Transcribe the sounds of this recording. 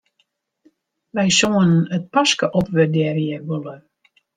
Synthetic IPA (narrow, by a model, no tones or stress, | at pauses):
ʋɛjsoənənət̚paskəʔɔpʋɪdɛrjəɡolə